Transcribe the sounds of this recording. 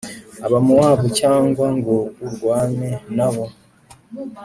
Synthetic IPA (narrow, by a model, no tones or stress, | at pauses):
aβamuwaːβucaːŋɡwaŋɡouɾɡwaːne̞naβo̞